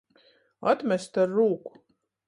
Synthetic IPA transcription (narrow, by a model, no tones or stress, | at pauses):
at̪mʲɛst̪aɾːuːku̥